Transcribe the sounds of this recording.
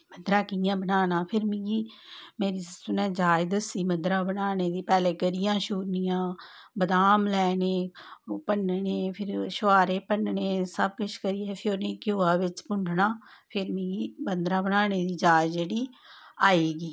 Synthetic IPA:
məd̪ɾãːkɪjãːbənaːnaːpʰɪɾmĩːɡiː | meːɾiːʊnɛ̃ːd͡ʒaːd͡ʒd̪əsːiːməd̪ɾãːbənaːneːd̪iːpɛːleːɡəɾɪjãːʃuːɾnɪjãː | bəd̪aːmlɛːneːpənɳeːpʰɪɾʃʊaːɾeːpənɳeːsəb̚kʊt͡ʃʰkəɾiːɛːpʰɪɾoːnẽːkjoːaːʋɪt͡ʃpʊɳɖʱnaːpʰɪɾmĩːɡiːbənd̪ɾãːbənaːneːd̪iːd͡ʒaːd͡ʒd͡ʒeːɽiːaːeːɡiː

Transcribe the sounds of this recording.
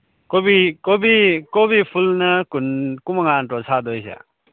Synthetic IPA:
kobikobikobipʰulnɐkunkumaŋantɔsadɔjsa̰

